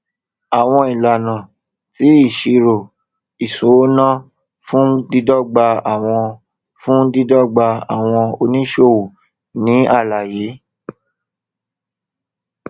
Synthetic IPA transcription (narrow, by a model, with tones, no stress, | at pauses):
a˨w̃ɔ̃˧i˨la˨nã˨ | fi˨˦i˦˨ʃi˧ɾo˨ | i˨sũ˨˦nã˦ | fũ˦di˦dɔ˦˨ɡ͡ba˧a˨w̃ɔ̃˧ | fũ˦di˧dɔ˦˨ɡ͡ba˧a̰˨w̃ɔ̃˧o˧nĩ˦ʃo˦˨wu˨ | nĩ˨˦a˦˨la˨je˨˦